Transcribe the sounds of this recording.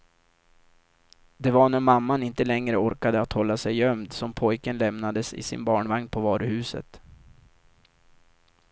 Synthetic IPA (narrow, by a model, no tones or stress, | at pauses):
d̪ɛvaɳæɾmamːanɪnt̪əlɛŋɾəɔɾkad̪əat̪hɔlːasɛjːœmd̪sɔmpʰɔjkənlɛmnad̪əsɪ̰sɪ̰nbɑːɳvaŋnpʰɔvɑːɾɵhʉ̟ːsə̰t̪